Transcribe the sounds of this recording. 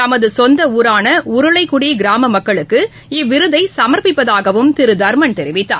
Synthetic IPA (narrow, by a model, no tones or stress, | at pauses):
t̪ɐmɐðɯsɔnd̪ɐuːɾaːnɐʊɾɯɭɐɪkːʊɽiɡɪɾaːmɐmɐkːɐɭɯkːɯ | ɪʋːɪɾɯðɐɪsɐmɐɾpɪpːɐðaːɣɐʋɯmt̪ɪɾɯd̪ɐɾmɐnt̪ɛɾɪʋɪt̪ːa̰ː